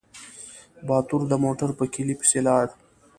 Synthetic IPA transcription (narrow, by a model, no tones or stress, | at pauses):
bɑːt̪uɾd̪əmoʈaɾpəkʰilipi̥selɑːɽ